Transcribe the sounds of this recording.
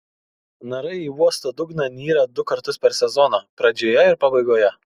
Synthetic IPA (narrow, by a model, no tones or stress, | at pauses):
nɐɾɐɪiːuɔst̪ɐd̪ʊɡnɐnʲiːɾɐd̪ʊkɐɾt̪ʊspʲɛɾsʲɛzɔnoːpɾɐd͡ʒʲoːjɛɪɾpɑbɐɪɡoːjɛ